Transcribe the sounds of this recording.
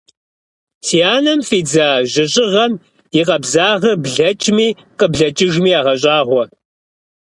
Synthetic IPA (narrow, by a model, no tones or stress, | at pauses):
siaːnɐmfiːd͡zaːʑɪɕʼɪʁɐm | jɪqɐbzaːʁɐbɮɐt͡ʃʼmiː | qəbɮɐt͡ʃʼɪʒmiːaːʁɐɕ̬ʼaːʁʷɔ